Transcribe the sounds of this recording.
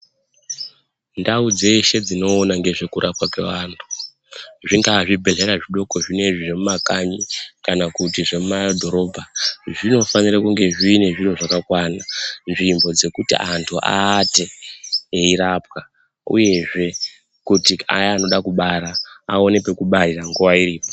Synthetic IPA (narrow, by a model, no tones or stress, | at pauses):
ndaud͡zeiʃe̞d͡zino̞ːnaŋɡe̞ʐe̞kuɾʔapwakwe̞̰ʋaːntʰu̥ | ʐiŋɡaʐibʱe̞ɮe̞ɾaʐiɗo̞ko̞ʐine̞ʐiʐe̞mumakaɲikanakutiʐe̞mumadʱo̞ɾo̞ːbʱaʐino̞faniɾakuŋɡe̞ʐiːne̞ʐin̤uʐakakwaːnanʐimbo̞d͡ze̞kutḭʔantʰuʔa̰te̞ː | iɾap̚ka | ṵje̞ʐe̞ | kutia̰ano̞ɗakuɓaɾaːo̞ne̞pe̞kuɓairaŋɡuʋaiɾiːpo